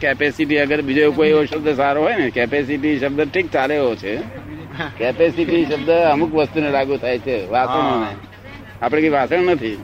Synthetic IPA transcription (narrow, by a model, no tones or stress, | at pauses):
kɛpesiʈiəɡəɾbid͡ʒoeukoioʃəbd̪əsaɾoɦɔjnekɛpesiʈiʃəb̚d̪əʈʰik̚t͡ʃaleɦot͡ʃʰe | kɛpesiʈiʃəb̚d̪əəmukʋəst̪unelaɡũt̪ʰajt͡ʃʰeʋaəɳone | apɽ̃ekoiʋasəɳnət̪ʰi